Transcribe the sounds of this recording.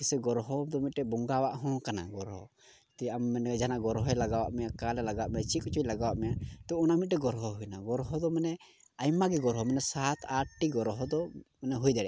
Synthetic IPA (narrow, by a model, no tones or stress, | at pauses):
kisɛɡɔɾɦɔd̪ɔmit̪̚ɾɛbɔŋɡawaʔɦɔ̃kana̰ɡɔɾɦɔ̰ | t̪ɛamːɛnd͡ʒanaʔɡɔɾɦɔɛlaɡawa̰ʔmɛjakalɛlaɡawaʔmɛat͡ʃikɔt͡ʃujlaɡawaʔmɛjat̪ɔɔnamit̪̚ʈɛɡɔɾɦɔɦujnaɡɔɾɦɔd̪ɔmanɛ | ajmaɡɛɡɔɾɦɔmanɛsat̪ʰaʈːiɡɔɾɦɔd̪ɔmanɛɦujd̪ɛɽɛ